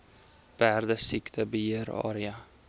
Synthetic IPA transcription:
b̥æːɾd̪əsɪkt̪ʰəbəjeːɾɑ̰ːɾɪa

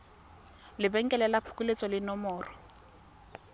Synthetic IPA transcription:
lɪbɛŋ̩kʼɛlɛlapʰu̥kulet͡sʼɔlɪnɔmɔːrɔ

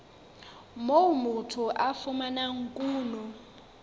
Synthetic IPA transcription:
mowmutʰuʔafumanaŋkʼuːnɔ

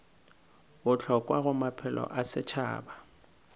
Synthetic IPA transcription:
ʊt͡ɬʰɔkʼwaɣʊmapʰɛlɔ̰ʔasɪt͡ʃʰa̰ːba

